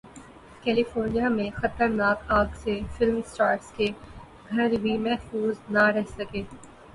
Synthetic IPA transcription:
kɛːlɪfoːɾnijamẽxɐt̪əɾnaːkaːɡsefɪlmsʈaːɾske | ɡʱɐɾbimɛɦfuːznaɾɛɦsɐkeː

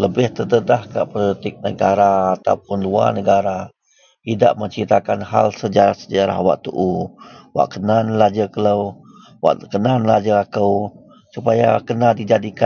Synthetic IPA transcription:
ləbɪht̪ət̪əd̪ahkaʔpolit̪ɪk̚nəɡaɾaːt̪a̰wpʊnlua̰nəɡaɾa | ida̰ʔməɲt͡ʃit̪akanha̰lsəd͡ʒaɾahsəd͡ʒaɾa̰hwa̰ʔt̪uʔuwa̰ʔkənanlad͡ʒəkələw | wa̰ʔkənanlad͡ʒəakəw | supaja̰kənadid͡ʒadika

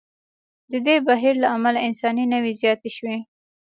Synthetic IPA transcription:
d̪əd̪ebaɦiɾlaamalaɪnsɑninəwizjɑt̪eʃwe

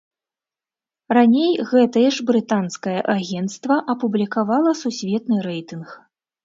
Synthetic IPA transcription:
ranʲejɣɛt̪ɐjɛʐbɾɨt̪anskɐjɐʔaɣʲɛnt̪st̪vɐʔɐpublʲikavalˠɐsusʲvʲɛt̪nɨɾɛjt̪ɨnx

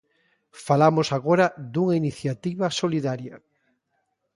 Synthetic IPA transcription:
falamʊsaɣoɾɐd̪uŋainiθjat̪iβɐsoliðaɾjɐ

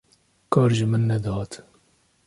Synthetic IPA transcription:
kʰɑːɾʒɨmɨnːɛd̪ɑːt̪

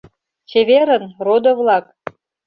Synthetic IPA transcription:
t͡ɕeβeɾə̆nrod̪ovlˠɑk

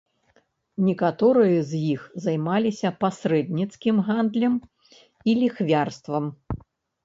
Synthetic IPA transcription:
nʲɛkat̪ɔɾɨjɐzʲjixzajmalʲisʲɐpasɾɛd̪nʲit̪skʲimɣand̪lʲɐm | ilʲixvʲarst̪vɐm

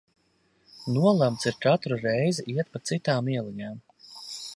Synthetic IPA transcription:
nuɔlˠamt̪siɾkat̪ɾuɾɛjziiɛt̪̚pat̪sit̪aːmiɛlˠiɲaːm

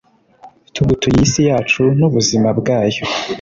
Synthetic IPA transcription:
tʰuɡutujisijaːt͡ʃunuβuzimabɡaːjo

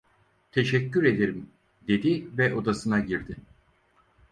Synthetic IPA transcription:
t̪ʰe̞ʃɛcʰːyɾe̞d̪e̞ɾim | d̪e̞d̪ivɛʔo̞d̪asɯnaɟiɾd̪ɪ

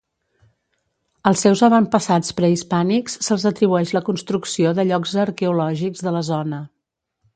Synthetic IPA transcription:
əlˠsewzəβəmpəsat͡spɾəispaniksːəlˠzət̪ɾiβuɛʃləkunst̪ɾuksioðəʎɔkzəɾkɛulɔʒikzðələzɔnə

